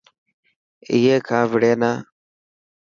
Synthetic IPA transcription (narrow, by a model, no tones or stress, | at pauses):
ɪɦeːkʰãːʋɪɽeːnaː